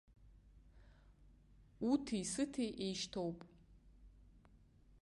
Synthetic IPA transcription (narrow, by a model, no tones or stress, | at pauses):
utʰijsɨtʰejʔejʃtʰowpʼ